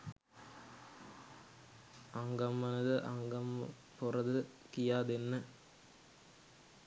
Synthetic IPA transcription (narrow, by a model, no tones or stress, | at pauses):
ɐŋɡɐmːɐnɐðɨʔɐŋɡɐm | pʊrɐðɯ | kɪjaːd̪enːɐ